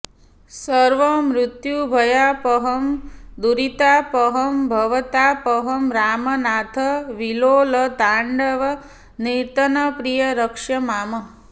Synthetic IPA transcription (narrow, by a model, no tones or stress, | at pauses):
səɾʋəmɾʊt̪jubʱəjapəɦəmd̪uɾit̪apəɦəmbʱəʋət̪apəɦəmɾaːmənat̪ʰəʋiloləd̪aɳɖəʋə | niɾt̪ənəpɾijəɾəkʂəmaːmə